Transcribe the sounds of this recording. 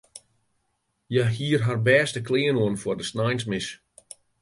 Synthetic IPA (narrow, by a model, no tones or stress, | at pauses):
jaɦiːrɦarbɛːstəklɪːənoənfʊrdəsnajnsmɪs